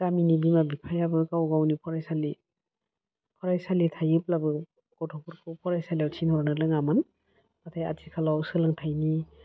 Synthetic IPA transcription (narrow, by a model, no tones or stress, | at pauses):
ɡ̥aminibimabipʰajabɯkawɡawnipʰɔɾajsali | pʰɔɾajsalitʰajɯp̚labɯ | ɡ̥ɔtʰɔpʰɔɾkʰɔwpʰɔɾajsalijawtʰinhɔɾnɯlɯŋamɯn | matʰaja̰tʰikʰalawsɯlaŋtʰajni